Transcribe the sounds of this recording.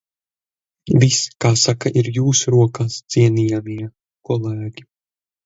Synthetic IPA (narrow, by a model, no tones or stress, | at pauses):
viskaːsakaʔiɾjuːsuɾuɔkaːsziɛnijamiɛ | kɔlˠæːɡʲi